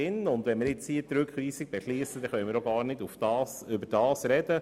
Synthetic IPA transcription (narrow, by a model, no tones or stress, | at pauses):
ɪnʊnd̪ʋɛnmɪɾjɪt͡shiːt̪ɾʉkχʋiːsɪɡ̥̚b̥ɛʃliːəsəd̥ɛχœʏmɪɾoɡɑːɾnɪdufd̥ɑːsʏbəɾd̥ɑːsɾɛd̥ə